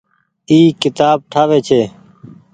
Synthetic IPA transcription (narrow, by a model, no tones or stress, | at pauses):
iːkɪt̪aːb̚ʈʰaːʋeːt͡ʃʰeː